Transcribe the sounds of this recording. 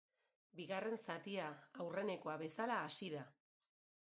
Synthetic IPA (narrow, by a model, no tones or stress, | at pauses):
biɣare̞nsat̪iaːwre̞ne̞ko̞aβe̞salaːsiða